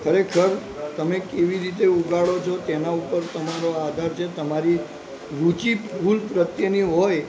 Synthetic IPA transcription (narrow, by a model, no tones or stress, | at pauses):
kʰəɾekʰəɾt̪əmekeʋiɾit̪̬euɡaɭot͡ʃʰɔt̪enaupəɾt̪əmaɾoad̪ʱaɾt͡ʃʰet̪əmaɾi | ɾut͡ʃipʰulpɾət̪jəniɦoj